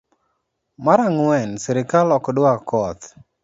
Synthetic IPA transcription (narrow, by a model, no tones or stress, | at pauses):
maɾaŋwɛnsɛɾɪkalɔkdʊakɔt̪